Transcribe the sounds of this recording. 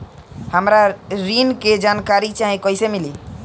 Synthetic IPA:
həmɾaɾinked͡ʒankaɾit͡ʃaɦikɔisemili

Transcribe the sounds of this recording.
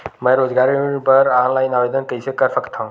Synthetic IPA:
məjɾod͡zɡaɾibəɾanlajnaʋed̪ənkəjsekaɾfəkt̪ʰãw̃

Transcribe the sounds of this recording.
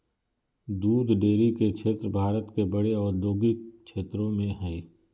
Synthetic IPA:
d̪uːd̪ɖeːɾikekʃʰeːt̪ɾbʱaːɾət̪kebəɽeɔːɾd̪oːɡɪk̚ʃʰeːt̪ɾõmẽɦɛ̃ː

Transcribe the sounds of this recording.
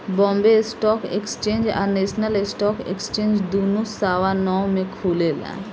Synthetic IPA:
bɔ̃mbesʈɔːkḛkst͡ʃẽːnd͡ʒa̰ɾneʃnəlesʈɔːkḛkst͡ʃẽːnd͡ʒd̪unusaːʋanɔːmẽkʰuːlelɛ̰̃

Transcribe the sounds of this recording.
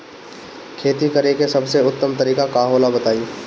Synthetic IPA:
kʰeːt̪ikɐɾekesɐbseʊt̪ːəmt̪ɐɾiːkakaːɦoːlabɐt̪aːi

